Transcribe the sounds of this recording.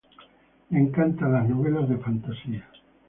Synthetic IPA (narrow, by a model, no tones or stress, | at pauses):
meŋkant̪alaznoβelazðefant̪asia